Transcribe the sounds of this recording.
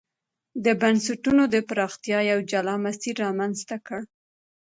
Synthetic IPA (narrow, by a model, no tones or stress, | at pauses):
d̪əbansaʈunod̪əpɾɑxt̪ijɑjawd͡ʒalɑmasiɾːɑmanzt̪akəɽ